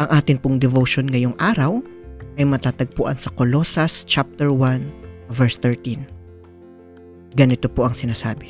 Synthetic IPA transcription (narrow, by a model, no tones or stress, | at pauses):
ʔɐŋʔaːt̪ɪnpʊŋd̪ɛvoʃonŋɐjoŋʔaːɾɐw | ʔɐjmɐt̪aːt̪ɐɡ̚puːʔɐ̰nsɐkoloːsɐst͡ʃap̚t̪ɛɹwanvɛɹst̪ɛɹt̪in | ɡɐnɪt̪opoʔɐŋsɪnaːsaːbɪ